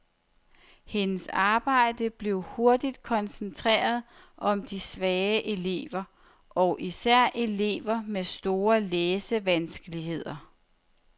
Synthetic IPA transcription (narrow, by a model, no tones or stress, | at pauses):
he̝nəsɑ̈ːb̥ɑ̈ɪ̰d̥əb̥le̝ʊho̝ɐd̥id̥kʰɒ̽nsənt͡sʰʁɛ̰ːɐð̩ˠ | ʔɒ̽md̥isʋɛːəʔe̝le̝̰ːʋɐ | ʔɒ̽ʊʔisæɐ̰ʔele̝ːʋɐmesd̥o̝ːɐleːsəʋænsɡ̥əliɦe̝ð̞̰ˠɐ